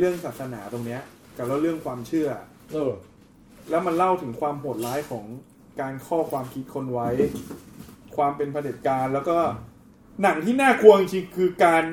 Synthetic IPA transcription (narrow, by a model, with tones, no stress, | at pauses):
ɾɯ˥˩əŋsaː˨˩t̪̚sa˧naː˩˦t̪o˧ŋni˦˥ɐ | ka˨˩waː˥˩ɾɯ˥˩əŋkʰwaː˧mt͡ɕʰɯ˥˩ɐ | lɛː˦˥wma˧nla˥˩wt̪ʰɯ˩˦ŋkʰwaː˧mpʰoː˨˩t̪̚laː˦˥jkʰɔː˩˦ŋ | kaː˧nkʰɔː˥˩kʰwaː˧mkʰi˦˥t̪̚kʰo˧nwa˦˥j | kʰwaː˧mpe˧npʰa˧de˨˩t̪̚kaː˧nlɛː˦˥wkɔː˥˩ | na˩˦ŋt̪ʰiː˥˩naː˥˩kʰu˧ɐ˧t͡ɕi˧ŋkʰɯː˧kaː˧n